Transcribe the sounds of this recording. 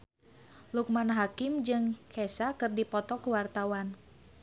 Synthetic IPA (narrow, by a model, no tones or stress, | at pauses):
luk̚manaɦakɪmd͡ʒɨŋkʰɛsakɨrdipɔt̪ɔkuwart̪awan